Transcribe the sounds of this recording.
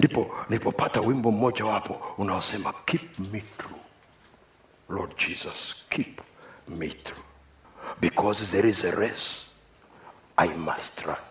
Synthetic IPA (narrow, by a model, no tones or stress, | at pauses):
ndipɔnipɔpʰatawĩmbɔm̩mɔd͡ʒawapʰɔunawasɛmakʰip̚miθɹu | lɔd̚d͡ʒizaskʰipmḭθɹu | bikʰɔzðɛɹizeɹɛs | ʔajma̰stʰɹã̰n